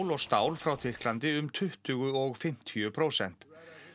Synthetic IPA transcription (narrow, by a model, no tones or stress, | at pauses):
wlɔɣst̪aːwlfɾawt̪ʰɪr̥klant̪ɪʏmt̪ʰʏht̪ʏɣʏɔɣfɪm̥t̪ʰiʏpʰɾowsɛn̥t̪